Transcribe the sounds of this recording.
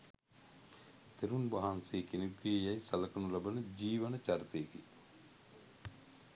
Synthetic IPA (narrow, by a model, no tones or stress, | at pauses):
t̪eɾunbaɦanseːkenekʋijejajsɐləkənulabənəd͡ʒiːʋənət͡ʃaɾit̪ejeki